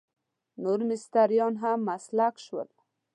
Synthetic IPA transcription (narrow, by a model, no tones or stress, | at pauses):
nuɾmɪst̪aɾjɔnɦamːaslakʃwə̰l